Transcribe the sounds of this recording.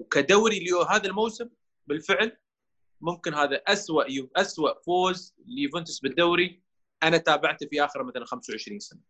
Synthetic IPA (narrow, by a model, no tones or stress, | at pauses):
wkad̪awɾiljoɦaːðalmowsɪm | bɪlfɪʕl | mʊmkɪnɦaːðaʔaswaʔjʔaswaʔfoːz | lijfʊnt̪ɪsbɪd̪ːaːɾi | ʔanat̪aːbaʕt̪fiʔaːxɪɾmaθalanxamsawʕɪʃɾiːnsana